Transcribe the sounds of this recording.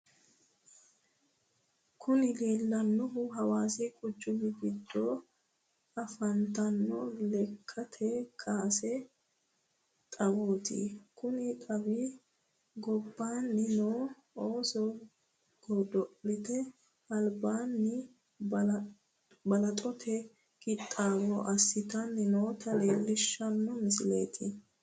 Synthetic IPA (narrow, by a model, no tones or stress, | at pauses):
kʊnɪleːlːɐnːɔɦʊɦɐwaːsɛkʼʊd͡ʒːʊmɪɡɪd̪ːoː | ɐfɐnt̪ɐnːɔlɛkʰːɐt̪ʰeːkʰʼaːsɛ | t̪ʼɐwoːt̪ɪ̰kʊnɪkʼɐbiː | ɡɔbːaːnːɪnoː | oːsɔ | ɡ̥ɔd̪ɔʔlɪt̪ɛ | ɐlbaːnːɪ | bɐlɐt̪ʼɔt̪ʰɛ | kɪt̪ʼːaːwɔʔɐsːɪt̪ɐnːɪnoːt̪ʰɐleːlːɪʃːɐnːɔmɪsɪlḛːt̪ʰɪ